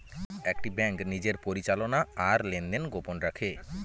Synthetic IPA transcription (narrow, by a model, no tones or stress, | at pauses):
ek̚ʈibɛŋknid͡ʑeɾpoɾit͡ɕalonaaɾlend̪enɡoponɾakʰe